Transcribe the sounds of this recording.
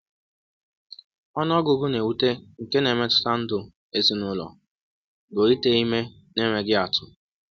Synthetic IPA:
ɔ˦n˦ɔ˦ɡʊ˨ɡʊ˦ne˨u˦te˦ŋ̩˨ke˦ne˨me˦tʊ̥˦ta˦n̩˦dʊ˨ | e˦si˨nʊ˦lɔ̰˨ | bo˨i˦te˦i˦me˦ | ne˦me˨ɡɪ˦a˨tʊ˨

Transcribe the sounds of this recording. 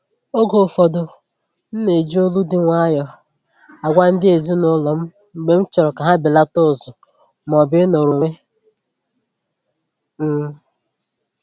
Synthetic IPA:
o˦ɡo˨fɔ˨do˨ | n̩˦ne˨d͡ʒi˦o˦lu˦dɪ˦ŋʷa˦jɔ˨ | a˨ɡʷa˦n̩˦dɪ˦e˨zi˦nʊ˦lɔ˨m̩˦ | ŋ͡m̩˨ɡ͡be˨m̩˦t͡ʃɔ˨ɾɔ˨ka˨ɦa˦bi˨la˦toʊ˦˨sʊ˨ | m˨ɔ˨bɪ˦no˨ɾo˨ŋe˦ | m̩˦

